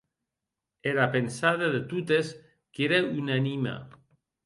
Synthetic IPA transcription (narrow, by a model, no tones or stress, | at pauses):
eɾapensaðeðet̪ut̪es | keɾeynanima̰